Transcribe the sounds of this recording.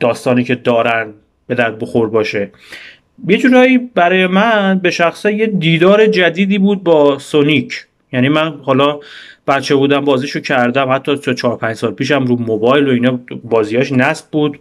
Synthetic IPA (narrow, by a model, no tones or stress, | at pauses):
d̪̥ɒːst̪ɒːniːcʰe̞d̪ɒːɾænd̪ | b̥e̞d̪æɾt̪̚boxo̞ɾd̪bɒːʃe̞ | jed͡ʒuːɾɒːiːbæɾɒːje̞mænbe̞ʃæxsæjed̪iːd̪ɒːɾe̞d͡ʒæd̪iːd̪iːbuːd̪̚bɒːsonicʰ | jæniːmænhɒːlɒːb̥æt̪̚t͡ʃʰe̞buːd̪æmbɒːziːʃocʰæɾd̪æmhæt̪ʰːɒːtʰt͡ʃʰɒːɾpʰæɲd͡ʒsɒːlpʰiːʃæmɾuːmobɒːjloinɒːbɒːziːhɒːʃnæsb̚buːd̪